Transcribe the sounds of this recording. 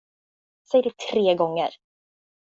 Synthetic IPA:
sɛjədɛt̪ʰɾeːɡɔŋːə̰ɾ

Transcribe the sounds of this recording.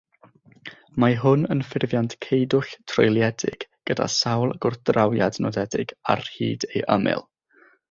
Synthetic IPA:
maɦʊnənfɪrvjantkʰejdʊɬtʰrɔ̰jlˠjɛdɪ̰ɡ̥ɡ̥əda̰sawlˠɡ̥ʊrθd̥rawjadnɔdɛdɪ̰ɡ̥a̰rhḭːdejʔə̰mɪ̰lˠ

